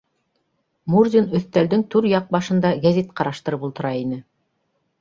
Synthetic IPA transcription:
murd̪ʲinɵ̆θt̪æld̪ɘŋt̪ʉɾjɑq̚bɑʃɤ̆nd̪ɑɡæzʲet̪qɑɾɑʃt̪ɤ̆ɾɤpulˠt̪ɤ̆ɾɑinɘ

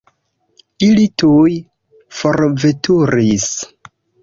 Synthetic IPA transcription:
ilituj | foɾvetuɾis

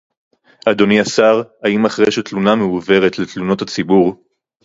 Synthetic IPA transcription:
ʔad̪o̞niasaʁaimaχʁejʃet̪lunameuve̞ʁet̪let̪luno̞that͡sibuʁ

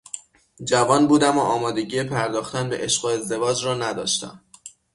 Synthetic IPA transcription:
d͡ʒævɒːnbuːd̪æmoʔɒːmɒːd̪e̞ɟiːepʰæɾd̪ɒːxt̪ænbeʔeʃɢoe̞zd̪e̞vɒːd͡ʒɾɒːnæd̪ɒ̰ːʃt̪æ̰m

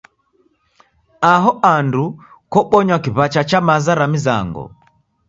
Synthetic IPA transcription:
aɦɔʔandu | kɔɓɔɲwakiβat͡ʃat͡ʃamazaɾamiza̰ŋɡɔ̰

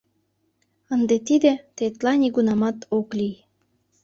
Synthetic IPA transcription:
ənd̪et̪id̪ĕt̪et̪lɑnʲiɡunɑmɑt̪oklij

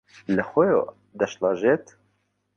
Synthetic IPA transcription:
ləxʷɛjo̰ | d̪ɛʃlɑʒet̪

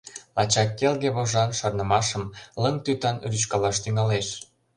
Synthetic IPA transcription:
ɑt͡ɕɑkːelɣeβoʒɑnʃɑrnəmɑʃəmləŋt̪yt̪ɑnryt͡ɕkɑlɑʃt̪yŋɑleʃ

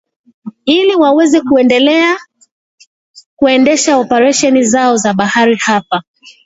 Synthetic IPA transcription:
iliwawɛzɛkuɛndɛlɛa | kuɛndɛʃaɔpɛɾaʃɛnizaɔzaɓahaɾihapa

